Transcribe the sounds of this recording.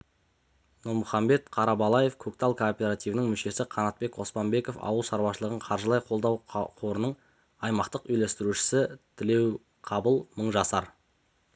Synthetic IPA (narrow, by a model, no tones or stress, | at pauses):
nuɾmʊχɑmbe̞t̪qʰɑɾɑbɑlˠɑje̞fkʰɵkt̪alˠkʰoːpʲeɾat̪ijvənɪŋmʏʃe̞sɪqʰɑnɑt̪̚pe̞ko̞spɑmbe̞ko̞fɑ̰wəlˠʃɑɾwɑʃəlˠəʁəɴqʰɑɾʒəlˠɑjqʰo̞lˠd̪ɑwqʰo̞ɾənəɴ | ɑjmɑqt̪əqʏjlest̪ɪɾuʃɪ̥sɪt̪ʰɪle̞w | qʰɑbəlˠməɴʒɑsɑɾ